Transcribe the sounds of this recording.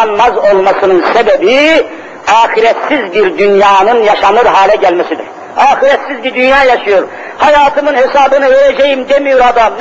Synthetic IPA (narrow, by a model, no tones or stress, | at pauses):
nmɑzo̞lˠmɑsɯnɯnsebɛbi | ɑːxiɾɛt̪sizbiɾd̪ynjɑːnɯnjɑʃɑnɯɾɦaːlʲɛɟælmɛsid̪yɾ̥ | ɑːxiɾɛt̪sizbiɾd̪ynjaːjɑʃɯjoɾ | hɑjaːt̪ʰɯmɯnhesɑːbɯnɯveɾɛd͡ʒɛjimd̪emijoɾɑd̪ɑm